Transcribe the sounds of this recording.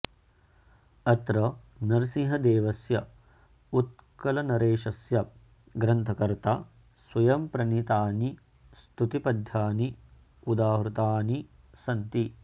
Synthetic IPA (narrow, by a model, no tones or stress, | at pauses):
ɐt̪ɾɐ | nɐɾsĩɦɐd̪eːʋɐsjɐ | ut̪̚kɐlɐnɐɾeːʃɐsjɐ | ɡɾɐnt̪ʰɐkɐɾt̪a | swɐjɐmpɾɐnit̪aːni | st̪ut̪ipɐd̪ʱjaːni | ud̪aːɦɾut̪aːni | sɐnt̪i